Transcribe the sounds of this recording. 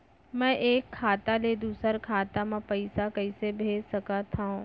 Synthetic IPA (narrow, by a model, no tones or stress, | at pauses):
mɛ̃ʔeːkʰːaːt̪aled̪uːsəɾkʰaːt̪amãpɐɪsakɐɪsebʱeːd͡ʒsɐkat̪ʰaũ